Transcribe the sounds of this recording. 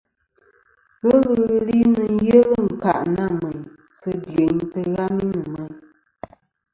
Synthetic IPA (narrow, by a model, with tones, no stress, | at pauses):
wə˦lɨ˦˨˦li˦nɨ˨n̩˦je˦lə˦ŋ̩˨ka̰˨ʔna˦˨mə˨ɲ | sə˦djə˨n˦tə˦ɣa˦mi˦nɨ˨mə˨ɲ